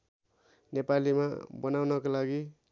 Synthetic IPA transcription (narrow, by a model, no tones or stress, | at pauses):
nepalima̰bʌnawnʌkolaɡi